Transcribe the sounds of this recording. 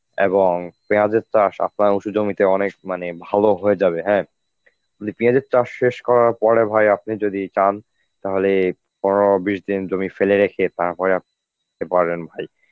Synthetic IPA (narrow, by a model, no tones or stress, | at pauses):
ḛboŋpiad͡ʑeɾt͡ɕaʃa̰p̚naɾuʃud͡ʑomit̪eɔnek̚manebʱaloɦoed͡ʑabeɦɛ̃ː | ud̪ipĩad͡ʑeɾt͡ɕaʃʃeʃkɔɾaɾpɔɾebʱajap̚nid͡ʑod̪it͡ɕan | t̪aɦole | pɔobiʃd̪ind͡ʑomifeleɾekʰet̪aɾpɔɾeap̚ | t̪epaɾbenbʱaj